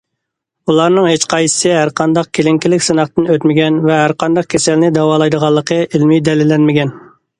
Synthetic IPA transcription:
ulˠɑɾnɨŋɦet͡ʃqʰɑjɨ̥sɨɦæɾqʰɑnd̪ɑq̚kʲʰelɪŋkʲilɪkʲsɨnɑχt̪ɨnøt̪mɪɡʲɛnvɛɦæɾqɑnd̪ɑq̚kʲʰesɛlnɪd̪ɑwɑːlˠɑjd̪əʁɑlˠːəqʰəʔɪlmijd̪ɛlɪlːɛnmɪɡʲɛn

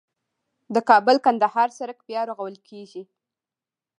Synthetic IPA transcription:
d̪əkɑbəlkand̪ahɑɾsaɾakpjɑɾoɣawəlkʰeʒi

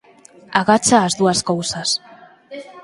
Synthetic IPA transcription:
aɣat͡saːzd̪uaskowsas

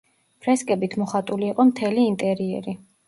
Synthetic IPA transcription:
pʰɾɛskʼɛbit̪ʰmɔχat̪ʼuliːqʼɔmt̪ʰɛliːnt̪ʼɛɾiɛ̰ɾi

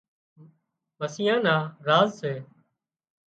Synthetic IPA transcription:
məsɪːãːnãːɾaːzseː

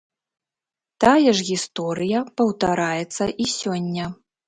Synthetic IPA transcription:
t̪ajɛʐɣʲist̪ɔɾɨjɐpɐwt̪aɾajɛt̪sːɐʔisʲɔnʲːɐ

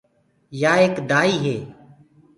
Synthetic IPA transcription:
jaːeːkd̪aːiːɦeː

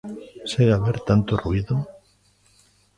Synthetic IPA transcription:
seɣaβeɾt̪ant̪oruiðo

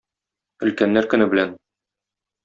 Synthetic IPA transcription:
ɵ̆lkænːæɾkɵ̆nɘbɘ̆læn

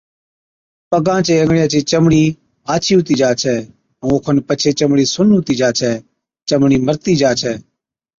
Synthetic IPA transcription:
pəɡãːt͡ʃeːəŋɡɳjãːt͡ʃiːt͡ʃəmɽiː | aːt͡ʃʰiːɦʊt̪iːd͡ʒaːt͡ʃʰɛ̃ː | oːkʰənpət͡ʃʰeːt͡ʃəmɽiːsʊnɦʊt̪iːd͡ʒaːt͡ʃʰɛː | t͡ʃəmɳiːməɾt̪iːd͡ʒaːt͡ʃʰɛː

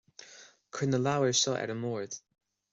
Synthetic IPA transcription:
kʰɹɪnəlawəɹsɔʔɛ̰ɾəmɔːɹd̪̥

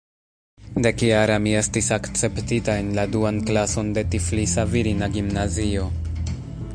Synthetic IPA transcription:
de̞kjaɾamie̞stisakt͡se̞ptitae̞nladuanklaso̞nde̞tiflisaviɾinaɡimnazio̞

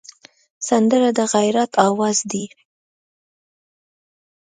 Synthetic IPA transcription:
sand̪əɾad̪əɣajɾat̪ʰɑwɑzd̪i

